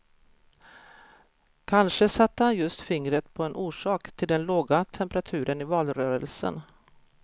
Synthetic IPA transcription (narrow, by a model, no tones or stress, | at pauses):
kʰanʂəsat̪ːəhanjɵst̪fɪŋɾət̪pʰɔɛnʔuːʂɑːkt̪ʰɪld̪ɛnloːɡat̪ʰɛmpəɾat̪ʰʉ̟ːɾənɪvɑːlɾœːɾəlsə̰n